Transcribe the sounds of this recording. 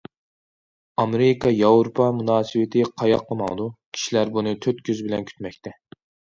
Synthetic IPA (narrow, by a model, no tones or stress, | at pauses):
ɑmeɾɪkʰɑjɑwɾupʰɑmunɑːsɨwɪt̪ʰɪqʰɑjɑqləmɑ̰ŋd̪ukʲʰi̥ʃilæɾbunɨt̪ʰøt̪̚kʲʰøzbɪlɛnkʲʰy̥t̪mɛkʲt̪ʰɛ